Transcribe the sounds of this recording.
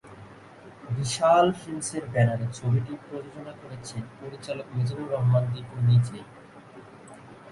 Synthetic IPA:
biʃalfinseɾbɛnaɾet͡ɕʰobiʈipɾod͡ʑod͡ʑonakoɾet͡ɕʰenpoɾit͡ɕalokmed͡ʑobuɾɔɦmand̪ipuɾnid͡ʑɾi

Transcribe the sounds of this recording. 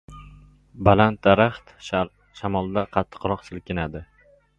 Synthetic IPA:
balant̪̚d̪aɾaχt̪ | ʃamɒlˠd̪aqʰɑt̪ʰːɨ̥qɾɒqsɪlkʲɪnad̪ɪ

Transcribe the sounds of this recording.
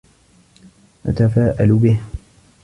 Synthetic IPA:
ʔa̰t̪afaːʔalbɪh

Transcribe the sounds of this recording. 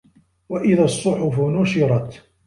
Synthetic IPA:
waʔɪðaːsˤːʊħʊfʊnʊʃɪɾˤɑt̪

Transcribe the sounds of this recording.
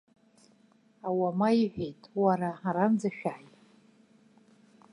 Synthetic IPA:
awamaiħʷᶣejtʼwaɾaaɾand͡zaʃᶣaːjtʼ

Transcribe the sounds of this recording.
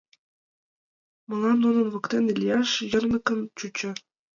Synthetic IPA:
mɤ̆lˠɑnːunɤ̆nʋɤ̆kt̪ʲenilʲjɑʂjɤ̆rnɤ̆kɤ̆nt͡ɕut͡ɕɘ̆

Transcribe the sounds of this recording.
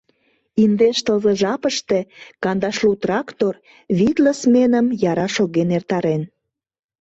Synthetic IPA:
ind̪eʃt̪əlzəʒɑpəʃt̪ekɑnd̪ɑʃlut̪rɑkt̪or | βit̪ləsmenəmjɑɾɑʃoɣenert̪ɑɾen

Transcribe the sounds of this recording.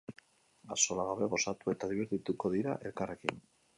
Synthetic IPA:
aso̞laɣaβe̞βo̞sat̪ue̞t̪aðiβeɾt̪it̪uko̞ðiɾa̰ʔe̞lkare̞kin

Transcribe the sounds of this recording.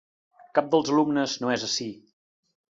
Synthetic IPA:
kap̚d̪əlˠzəlumnəznoɛzəsi

